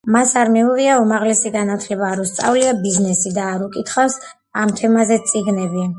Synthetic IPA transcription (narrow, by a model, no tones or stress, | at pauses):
masaɾmiuʁiaumaʁlɛsiɡanat̪ʰlɛbaːɾɔst̪sʼa̰vliabiznɛsid̪aːɾukʼit̪ʰχas | amt̪ʰɛmazɛt̪sʼiɡnɛbi